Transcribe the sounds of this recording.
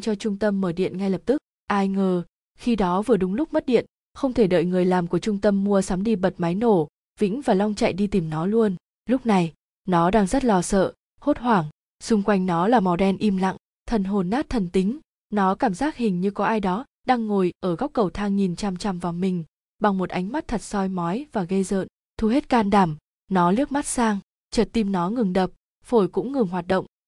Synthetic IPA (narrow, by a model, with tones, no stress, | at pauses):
t͡ɕɔ˧t͡ɕʊ˧ŋ͡mt̪ə˧mːəː˧˩ɗḭ˧˨ənŋa˧jlə˨˩p̚t̪ɨ˦˥k̚ | ʔaː˧jŋəː˨˩ | xi˧ɗɔ˨˦vɨ˨˩əɗʊ˨˦ŋ͡mlʊ˦˥k͡p̚mə˦˥t̚ɗḭ˧˨ən | xə˧wŋ͡mt̪ʰe˧˩ɗə̰ː˧˨jŋɨ˨˩əjlaː˨˩mku˧˩ət͡ɕʊ˧ŋ͡mt̪ə˧mːu˧əsaː˨˦mɗi˧ɓə˨˩t̚ma˨˦jno˧˩ | vḭ˧˥ŋ̟vaː˨˩lɔ˧wŋ͡mt͡ɕa̰˧˨jɗi˧t̪i˨˩mnɔ˨˦lu˧ən | lʊ˦˥k͡p̚na˨˩j | nɔ˨˦ɗaː˧ŋzə˦˥t̚lɔ˧sə̰ː˧˨ | ho˦˥t̚hwaː˧˩ŋ | sʊ˧ŋ͡mkwa˧jŋ̟nɔ˨˦laː˨˩mɔ˨˦wɗɛ˧nʔi˧mla̰˧˨ŋ | t̪ʰə˨˩nɦo˨˩nːaː˦˥t̚t̪ʰə˨˩nt̪ï˨˦ŋ̟ | nɔ˨˦kaː˧˩mzaː˦˥k̚hï˨˩ŋ̟ɲɨ˧kɔ˨˦ʔaː˧jɗɔ˨˦ | ɗaː˧ŋːo˨˩jʔəː˧˩ɣɔ˦˥wk͡p̚kːə˨˩wt̪ʰaː˧ŋŋi˨˩nt͡ɕa˧˩mt͡ɕa˧˩mvaː˨˩wmï˨˩ŋ̟ | ɓa˨˩ŋmo˨˩t̚ʔa˨˦jŋ̟ma˦˥t̚t̪ʰə˨˩t̚sɔ˧jmɔ˨˦jvaː˨˩ɣə˧jzə̰ː˧˨n | t̪ʰu˧he˦˥t̚kaː˧nɗaː˨˩m | nɔ˨˦li˦˥ək̚ma˦˥t̚saː˧ŋ | t͡ɕəː˨˩t̚t̪i˧mnɔ˨˦ŋɨ˨˩ŋɗə˨˩p̚ | fo˧˩jkʊ̰˧˥ŋ͡mŋɨ˨˩ŋɦwaː˨˩t̚ɗə̰˧˨wŋ͡m